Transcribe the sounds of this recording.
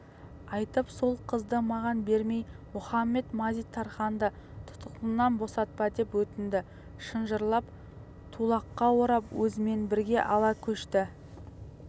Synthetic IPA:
ɑjt̪əpso̞lˠqʰəzd̪əmɑʁɑnbeɾme̞jmʊχɑmːe̞t̪mɑzijt̪ʰːɑɾχɑnd̪ə | t̪ʰʊ̥t̪ʰə̥qlˠənɑnbo̞sɑt̪̚pɑd̪e̞pwɵt̪ɪnd̪ɪ | ʃənʒəɾlˠɑp | t̪ʰulˠɑqːɑwoɾɑpwɵzɪme̞nbɪɾɡʲe̞ʔɑlˠɑkʲʰɵʃt̪ɪ

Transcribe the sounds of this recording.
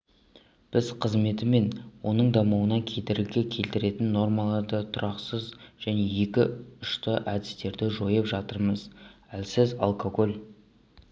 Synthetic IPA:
b̥ɪzqʰəzme̞t̪ɪme̞nwo̞nəɴd̪ɑmuwənɑkʲʰed̪eɾɪɡʲe̞kʲʰe̞lt̪ɪɾe̞t̪ɪnːo̞ɾmɑlˠɑɾd̪ət̪ʰʊɾɑqsəzʒ̥æne̞je̞kʲɪʊʃt̪əʔæd̪ɪst̪e̞ɾd̪ɪʒo̞jəpʒɑt̪əɾməzælsɪzɑ̰lˠkʰoko̞lʲˠ

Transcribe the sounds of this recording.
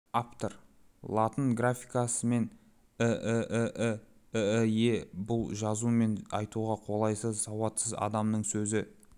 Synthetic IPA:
apt̪əɾ | lˠat̪ənɡrafʲijkasəme̞n | əʔəʔəʔəəjebʊlˠʒɑzume̞nɑjt̪uʁɑqʰo̞lˠɑjsəzsɑwɑt̪səzɑ̰d̪ɑmnəɴsɵzɪ

